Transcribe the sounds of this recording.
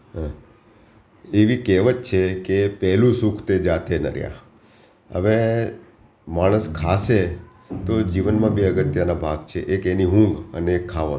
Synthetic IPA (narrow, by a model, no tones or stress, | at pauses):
eʋikeʋət͡ʃt͡ʃʰekepɛɦlũsukʰt̪ed͡ʒat̪ʰenə̰ɾja̰ | ə̰ʋe | maɽ̃əskʰase | t̪od͡ʒiʋənmãbeəɡət̪ːjanabʱaɡt͡ʃʰeʔekeniɦũŋɡə̰neːkʰːaʋə̰